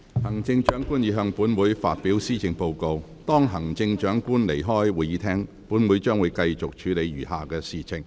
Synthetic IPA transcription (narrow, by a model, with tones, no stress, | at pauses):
hɐ˨˩ŋt͡sɪ˧ŋt͡ʃœː˨˥ŋkuː˥njiː˨˧˥ɦœː˧ŋpuː˨˥nwuː˨˥jfa̰ː˧t̚piː˨˥wsiː˥t͡sɪ˧ŋpo˧wko˧w | t̪ɔː˥ŋɦɐ˨˩ŋt͡sɪ˧ŋt͡ʃœː˨˥ŋkuː˥nle˨˩jɦɔː˥jwuː˨jiː˨˧˥t̪ʰɛː˥ŋ | puː˨˥nwuː˨˥jt͡ʃœː˥ŋwu˨˧jkɐ˧jt͡ʃʊ˨k̚t͡ʃʰyː˨˥le˨˧jɥyː˨˩ɦaː˨˧kɛː˧siː˨t͡sʰɪ˨˩ŋ